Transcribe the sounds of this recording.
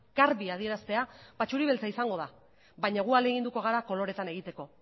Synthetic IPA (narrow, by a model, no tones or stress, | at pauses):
ɡ̥aɾβiað̞ie̞ɾast̪e̞abat͡ʃuɾiβe̞lt͡saisaŋɡo̞ða | βajɲaɣ̞uald̪eɣ̞ind̪uko̞ɣ̞aɾako̞lo̞ɾe̞t̪ane̞ɣit̪e̞ko̞